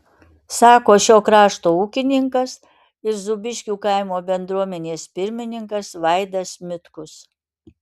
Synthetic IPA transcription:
sɑːkoːʃʲoːkɾɑːʃt̪oːuːkʲɪnʲɪŋkɐs | ɪɾzʊbʲɪʃʲkʲuːkɐɪmoːbʲɛnd̪ɾuɔmʲɛnʲeːspʲɪɾʲmʲɪnʲɪŋkɐsʋɐɪd̪ɐsmʲɪt̪kʊs

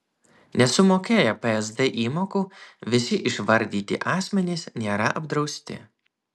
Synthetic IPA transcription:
nʲɛsʊmoːkʲeːjɛpɛɛzd̪ɛʔiːmoːkuːʋʲɪsʲɪʔɪʃʋɐɾʲd̪ʲiːt̪ʲɪ̰ʔɑːsʲmʲɛnʲɪsnʲeːɾɐʔɐbd̪ɾɒʊsʲt̪ʲɪ̰

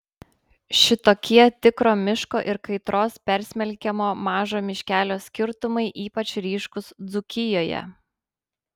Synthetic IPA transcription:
ʃʲɪt̪oːkʲiɛt̪ʲɪkɾoːmʲɪʃkoːʔɪɾkɐɪt̪ɾoːspʲɛɾʲsʲmʲɛlʲkʲɛmoːmɑːʒoːmʲɪʃʲkʲæːlʲoːsʲkʲɪɾt̪ʊmɐɪʔiːpɐt͡ʃɾʲiːʃkʊsd̪zʊkʲɪjoːjɛ̰

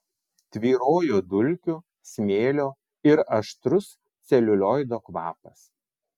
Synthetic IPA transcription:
t̪ʲʋʲiːɾoːjoːd̪ʊlʲkʲʊ | sʲmʲeːlʲoː | ɪɾɐʃt̪ɾʊs | t̪sʲɛlʲʊlʲoːjd̪oːkʋɑ̰ːpɐs

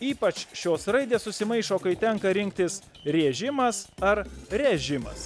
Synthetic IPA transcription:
iːpɐt͡ʃʃʲoːsɾɐɪd̪ʲeːssʊsʲɪmɐɪʃoːkɐɪt̪ʲɛŋkɐɾʲɪŋʲk̚t̪ʲɪs | ɾʲieɛʒʲɪmɐsɐɾɾʲɛʒʲɪmɐ̰s

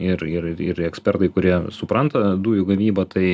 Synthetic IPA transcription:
ɪrɪɾɪɪɾɛksʲpʲɛrt̪ɐɪkʊɾʲiɛsʊpɾɐnt̪ɐd̪uːjʊɡɐʋʲiːbɐt̪ʰɐɪ

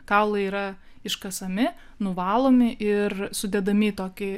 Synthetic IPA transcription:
kɑʊlˠɐiːɾɐ | ɪʃkɐsɐmʲɪ | nʊʋɑːlˠoːmʲɪʔɪrsʊd̪ʲɛd̪ɐmʲɪt̪oːkʲɪ

